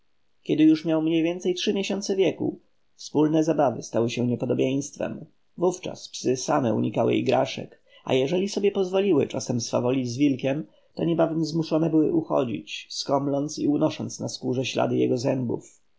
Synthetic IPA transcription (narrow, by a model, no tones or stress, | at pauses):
kʲɛd̪ɘjuʂmʲjawmɲejvʲjɛnt̪sɛjtʂɘmʲjɛɕɔnt̪sɛvʲjɛkṵ | fspulnɛzabavɘst̪awɘɕɛɲɛpɔd̪ɔbʲjẽj̃st̪fɛ̰m | vuft͡ʂa̰spsɘsamɛṵɲikawɘ̰j̰jɡɾaʂɛ̰k | a̰jɛʐɛlʲisɔbʲjɛpɔzvɔlʲiwɘ̰t͡ʂasɛmsfa̰vɔlʲid͡ʑzvʲilkʲɛm | t̪ɔɲɛbavɛmzmuʂɔnɛbɘwɘ̰ʔuxɔ̰d͡ʑḭt͡ɕskɔmlɔnt̪siunɔʂɔnt̪snaskuʐɛɕla̰d̪ɘjɛɡɔzɛmbṵf